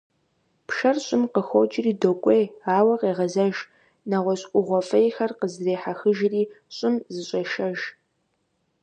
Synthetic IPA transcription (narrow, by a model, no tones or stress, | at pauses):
pʰʃɐrɕʼɪmqəxʷot͡ʃʼɪriːdokʷʼejaːwɐqeːʁɐzɐʒ | nɐʁʷɔɕʼkʷʼʊʁʷɔfɐjxɐrqəzreːħaxɨʒriː | ɕʼɪmzɨɕʼɐʃɐʒ